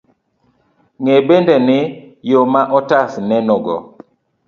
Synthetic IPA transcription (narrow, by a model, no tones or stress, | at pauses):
ŋebendɛnɪjomaʔɔtasnɛnɔɡɔ̰